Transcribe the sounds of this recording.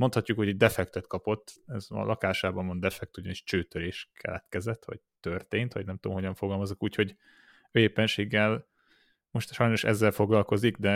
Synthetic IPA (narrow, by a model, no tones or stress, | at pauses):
mot̪hɒcːukho̞ɟiɟd̪ɛfɛkt̪ɛt̪kɒpo̞t̪ːɛzɒ̰lʔɒkaːʃaːbɒmond̪ɛfɛk̚t̪uɟɒniʃt͡ʃøːt̪øɾeːʃkʰɛ̰lɛ̰t̪kɛzɛt̪ʋɒ̰ɟ̚t̪ørt̪eːnt̪ʋɒ̰ɟnɛmt̪o̰mɦo̞ɟɒɱfoɡɒlmɒzokuːcho̞ɟ | øeːpɛnʃeːɡːɛl | mo̞ʃt̪ʃɒjno̞ʃɛ̰zːɛlfo̞ɡlɒlko̞ziɡd̪ɛ